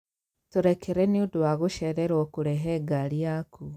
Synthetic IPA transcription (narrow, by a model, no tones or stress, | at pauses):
tuɾekʰeɾeniudwaɣuʃeɾeɾokuɾeɦeɡaɾjakʰu